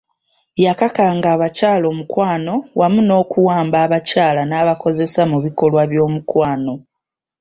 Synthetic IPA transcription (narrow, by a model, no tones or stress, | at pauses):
jakakaŋɡaːβacaːlo̞ːmukwaːno̞wamuno̞ːkuwaːmbaːβacaːlanaːβako̞ze̞samuβiko̞lwaβjo̞ːmukwaːno̞